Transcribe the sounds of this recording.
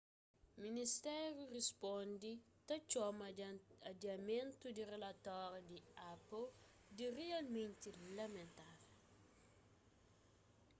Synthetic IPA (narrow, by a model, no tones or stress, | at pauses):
ministɛɾurispɔndi | tɐt͡ʃɔmɐdamɛntudirɛlatɔɾdiapːɔ | dirialmɛntilɐmɛntaɾ